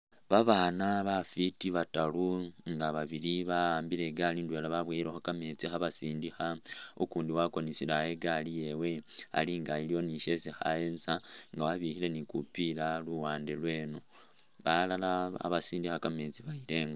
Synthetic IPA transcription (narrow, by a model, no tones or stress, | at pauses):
βaβaːnaβafitiβataluŋɡaβaβiɾiβaaːmbile̞ɡalindwe̞ːlaβaβweːiɾexokameːt͡sixaβasiːndixaokuːndiwako̞nisilaje̞ɡalije̞we̞a̰liŋɡajilio̞niʃe̞ːsixa̰eːnsaŋɡawaβihile̞nikupilaluwaːndelwe̞ːno̞ | βalalaa̰βasiːndixakameːt͡siβaile̞ːŋɡa